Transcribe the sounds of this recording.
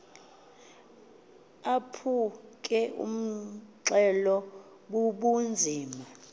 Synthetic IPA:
apʰuk̬ʼɛʔṵm̩ǀɛlɔ | ɓuɓund͡zʱiːma

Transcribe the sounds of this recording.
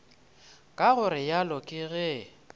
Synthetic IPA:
kʼaɣʊɾɪjalɔkʼɪɣɛ

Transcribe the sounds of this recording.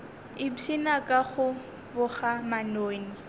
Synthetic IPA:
ɪt͡sʰinakʼaχʊ | bʊχamanoːni

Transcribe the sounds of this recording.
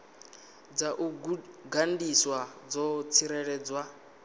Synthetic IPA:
d͡zaʔuɡandiswad͡zɔt͡sʰiɾɛɺɛd͡zwa

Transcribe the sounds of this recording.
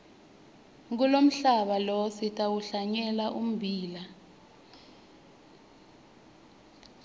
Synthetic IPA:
ŋk̬ulom̩ɬaɓalositʼawuɬaɲɛlaʔum̩bʱiːla

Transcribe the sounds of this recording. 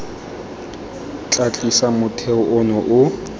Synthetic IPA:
t͡ɬʼat͡ɬʼisamʊtʰɛʊɔnɔʔʊ

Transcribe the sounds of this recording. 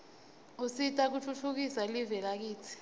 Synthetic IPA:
usitʼak̬ut͡fʰut͡fʰuk̬isalivɛlak̬iːt͡sʰi̥

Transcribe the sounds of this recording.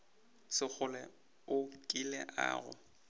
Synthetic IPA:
sɪk͡xʰʊlɛ | ʊkʼɪlɛ̰ʔa̰ːɣʊ̰

